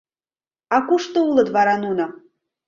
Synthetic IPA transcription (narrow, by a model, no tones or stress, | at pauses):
akʷuʂt̪ɨuləd̪vaɾanuna